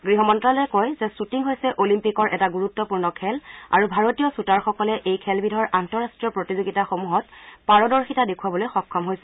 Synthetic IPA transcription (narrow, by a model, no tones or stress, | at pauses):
ɡɹiɦɔmɔntɹalɛkojzɛsutiŋɦojsɛʔolimpikɔɹʔɛtaɡuɹutːɔpuɹnɔkʰɛla̰ɹubʱaɹotijɔsutaɹxɔkɔlɛʔejkʰɛlbʱidʱɔɹʔantɔɹastɹijɔpɹotizoɡitaxomuɦɔtpaɹɔdɔɹxitadekʰuwabɔlojxɔkʰːɔmɦojsɛ